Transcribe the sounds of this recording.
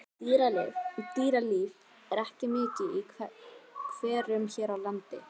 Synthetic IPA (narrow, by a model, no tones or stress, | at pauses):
t̪iːɾalɪvt̪iːɾaliːv | ɛɾɛhcɪmɪːcɪi | kʰvɛːɾʏmçɛːɾawlant̪ɪ̰